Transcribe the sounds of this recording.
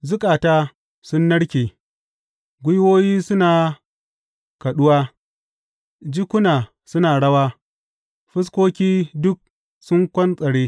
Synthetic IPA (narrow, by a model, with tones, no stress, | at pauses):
zʊ˦kʼaː˨taː˦ | sʊ˦nːɐ˦ɽkʲeː˨ | ɡʷʊ˦jwoː˦jiː˦sʊ˦naː˨ | kɐ˨ɗʊ˦waː˦ | d͡ʒɪ˦kʷʊ˦naː˨ | sʊ˦naː˨ɽɐ˦waː˦ | ɸɪ˦s̬koː˦kʲiː˦dʊ˦k̚ | sʊ˦ŋkʷɐ˦nsʼɐ˨ɽeː˦